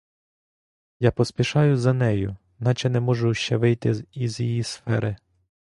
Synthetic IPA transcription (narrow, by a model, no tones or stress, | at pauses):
japɔsʲpʲiʃɑjʊzɐnɛjʊ | nɑt͡ʃɛnɛmɔʒʊʃt͡ʃɛʋɪjt̪ɪizjijisfɛɾɪ